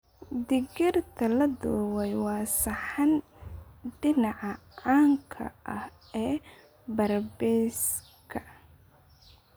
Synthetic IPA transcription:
d̪ɪɡɪrt̪ʰɐlɐd̪ɔːwɛjwɑːsɐħɑn | ɖɪnɑʕɑ | ʕaːŋkʰɐ̰ʔɐh | ɛː | bɐrbɛːs | kʰɐ

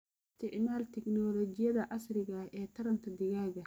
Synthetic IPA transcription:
ɪst̪ʰɪʕmaːlt̪ʰɪknɔːlɔːd͡ʒɪjɐðɐʔɐsɾɪɣɐɛːt̪ʰɐɾɐnt̪ʰɐd̪ɪɣaːɣɐ

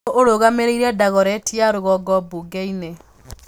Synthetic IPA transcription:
ʔoɾoɣameɾeiɾɛdaɣɔɾɛtiaɾoɣɔɡɔbuɡeine

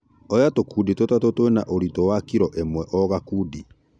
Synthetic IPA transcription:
ɔjatokuditotatotoenaʔoɾitɔwakiɾɔʔemwɛʔɔɣakuːdi

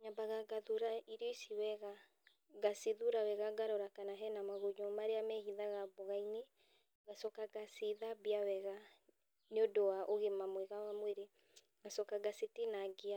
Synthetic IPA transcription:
ɲabaɣaɡaðuɾaiɾjɔisiwɛɣa | ɣasiðuɾawɛɣaɡaɾɔɾakanaɦɛnamaɣoɲomaɾeamɛhiðaɣaβoɣaine | ɣasɔkaɡasiðabiawɛɣa | neodowaʔoɣemamwɛɣawamweɾe | ɣasɔkaɡasetenaɡea

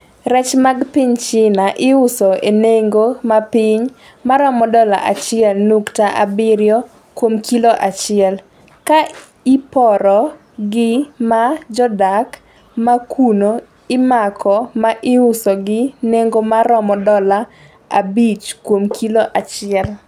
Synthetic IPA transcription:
ɾɛt͡ʃmaɡpɪɲt͡ʃɪnaʔɪʊsɔeneŋɡomapɪɲ | maɾɔmɔdɔla̰ʔat͡ʃɪɛlnuktaʔa̰bɪɾjɔ | kwomkʰiloʔat͡ʃɪɛl | ka | ipɔɾɔ | ɡɪmad͡ʒɔdak | makʰuno | ɪmakʰɔmaʔɪʊsɔɡɪneŋɡomaɾɔmɔdɔla | a̰bit͡ʃkwomkʰiloʔat͡ʃɪɛl

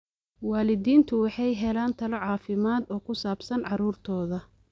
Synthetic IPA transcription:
waːlɪdiːnt̪ʰʊwɑħɑjɦɛlaːnt̪ʰɐlɔʕɑːfɪmaːd̪ɔːkʰʊsaːbsɐnʕɑɾuːrt̪ʰɔːðɐ

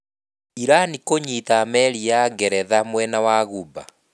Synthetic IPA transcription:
iɾanikoɲitamɛɾiaɡɛɾɛðamwɛnawaɣuba̰

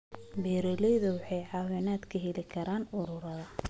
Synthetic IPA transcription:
bɛːɾɛlɛjðʊwɑħɑjʕɑːwɛnaːd̪kʰɐɦɛlɪkʰɐɾaːnʊɾʊɾɐðɐ

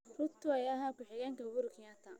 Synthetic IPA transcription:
rʊt̪ʰːʊɛjaɦaːkʊħɪɣɛŋkʰɐʊɣʊɾʊkʰɪjat̪ʰɐ

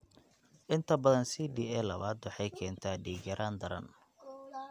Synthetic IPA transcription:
ʔɪnt̪ʰɐbɐðɐnsiːɖiːɛːlɐβaːd̪wɑħɑjkʰɛːnt̪ʰaːɖiːɡɐɾʔaːnd̪ɐɾɐ̰n

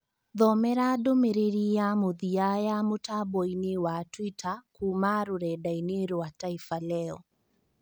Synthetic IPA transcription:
ðɔmɛɾadomeɾeɾijamoðiajamotabɔinewatwitakumaɾoɾɛdaineɾowataifalɛɔ

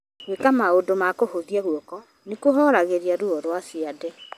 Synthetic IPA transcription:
ɣwekamaodomakohoðiaɣuɔkɔ | nekoɦɔɾaɣeɾjaɾuɔɾwasiadɛ

